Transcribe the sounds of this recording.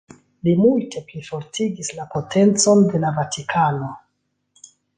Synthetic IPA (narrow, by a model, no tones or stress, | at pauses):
limultʰe̞plifo̞ɾtiɡislapʰo̞tʰe̞nt͡so̞nde̞lavatʰikʰano̞